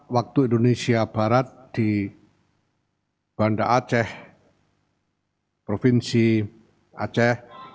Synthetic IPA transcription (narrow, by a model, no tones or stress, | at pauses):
wak̚t̪uindonesiab̥aɾat̪̚d̪̥i | b̥andaʔat͡ʃɛh | pɾofinsi | a̰t͡ʃɛh